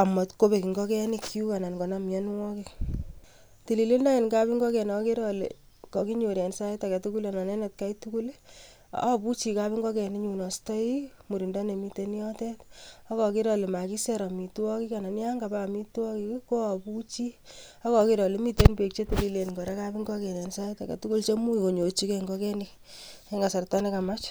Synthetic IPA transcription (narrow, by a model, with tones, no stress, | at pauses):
a˨ma˨tko˦be˨ki˨ŋɡɔ˦kɛ˦ni˦kʰːi˦u˦ka˨na˨nkɔ˨namjɛ˦nwɔ˦kɪ˦k | ti˨li˨le˦nda˦ŋe˨nka˦bi˦ŋɡɔ˦kɛ˨nke˦ɾɔ˨lḛ˨ | kɔ˨ki˦ɲo˨ɾjɛ˨nsa˦ɛ˦ta˨kɛ˨tu˦ku˦lenɔ˨nɛ˦nɛ˨t̚ka˦jtuku˦le | a˦pu˦t͡ʃi˨kabi˦ŋɡɔ˦kɛ˨ni˦ɲu˨nɔ˨stɔ˦imu˨ɾi˨ndɔ˦ne˨mi˦te˦njɔ˦tɛ˦tɔ˦kɔ˨ki˦ɾɔ˨le˨ma˨ki˦sɛ˦ɾɔ˨mi˨tu˦wɔ˦ki˦ka˨na˨nja˦ŋɡa˨bami˦tu˦ɔ˦kikko˦apu˦t͡ʃi˦ɔ˦kɔ˨ki˦ɾɔ˨le˦mi˦te˦npe˨k̚t͡ʃe˦te˨li˦le˨nko˨ɾa˦ka˦pi˦ŋɡɔ˦kɛ˨ɾɛ˨nsa˦ta˨kɛ̰˨tu˦ku˦lt͡ʃe˦mu˦ko˨ɲo˨t͡ʃi˦kɛ˦ŋɡɔ˦kɛ˦ni | ɛ˦ŋɡa˨sa˨rta˦ne˦ka˨ma˦t͡ʃ